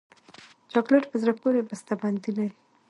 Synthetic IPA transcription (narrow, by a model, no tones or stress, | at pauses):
d͡ʒɑɡlaʈpəzɾapoɾebast̪aband̪ina